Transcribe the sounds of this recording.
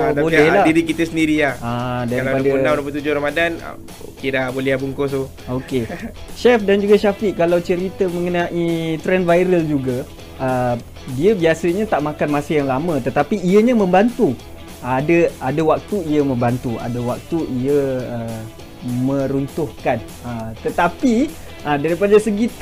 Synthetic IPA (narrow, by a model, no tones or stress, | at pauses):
bolɛhladiɾikit̪əsəndiɾilahadaɾilpadanaɾop̬ət̪ud͡ʒʊhɾamadan̰ | okedabolɛbuŋkot̪u | okeʃɛfdand͡ʒuɡaʃafiʔkalawt͡ʃəɾit̪əmə̃ŋənãʔit̪ɾɛnvajɾəld͡ʒuɡa | ə | diəbiasəɲãt̪aʔmãkanmasəjaŋlamə̃t̪ət̪apiiəɲãmə̃mbant̪u | adəʔadawak̚t̪uiəmə̃mbant̪ua̰dawak̚t̪uʔiəə | mə̃ɾunt̪ʊhkan | ət̪ət̪api | ʔədaɾipadasəɡi